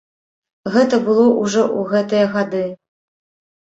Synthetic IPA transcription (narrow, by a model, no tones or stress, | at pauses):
ɣɛt̪ɐbɨlˠɔʔuʐɔʔuɣɛt̪ɨjɐɣad̪ɨ